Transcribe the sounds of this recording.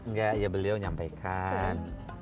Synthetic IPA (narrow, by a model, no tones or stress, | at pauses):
ŋɡaʔjabəliawɲampajkʰan